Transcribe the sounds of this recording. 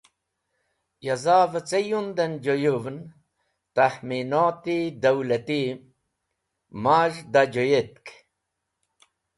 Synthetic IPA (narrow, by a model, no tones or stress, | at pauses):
jɐzaːvət͡sejund̪ɐnd͡ʒojuvn | t̪ahminoːt̪id̪ɐwlɐt̪i | maːʒd̪ad͡ʒojet̪̚k